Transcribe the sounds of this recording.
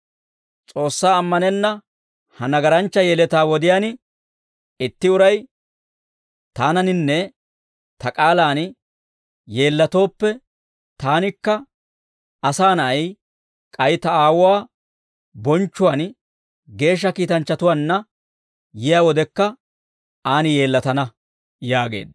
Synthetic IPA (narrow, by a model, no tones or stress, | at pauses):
t͡sʼo̞ːsːaːmːɐnɛnːɐ | hɐnɐɡɐɾɐnt͡ʃːɐjeːlɛt̪aːwɔd̪ɪjaːnɪ | ɪt̪ːɪʊɾɐj | t̪aːnɐnɪnːɛ | t̪ɐkʼaːlaːn | je̞ːlːɐt̪o̞ːpːɛ | t̪aːnɪkːɐ | ɐsaːnɐɐj | kʼɐjt̪ɐaːwʊwaː | bɔnt͡ʃːʊwaːn | ɡe̞ːʃ̬ːɐkiːt̪ɐnt͡ʃːɐt̪ʊwaːnːɐ | jɪjaːwɔd̪ɛkːɐ | aːnɪje̞ːlːɐt̪ɐnɐ | jaːɡe̞̰ːd̪